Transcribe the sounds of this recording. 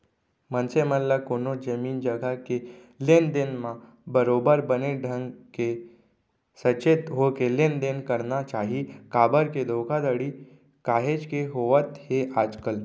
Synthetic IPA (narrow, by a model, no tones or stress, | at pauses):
mənsemənlakonod͡ʒəmiːnd͡ʒəɡʱake | lend̪enma | bəɾobəɾbəneɖʱəŋke | sət͡ʃet̪ɦokelend̪enkəɾnat͡ʃaɦikabəɾked̪ʱokʰad̪əɽi | kaɦed͡ʒkeɦoʋət̪head͡ʒkəl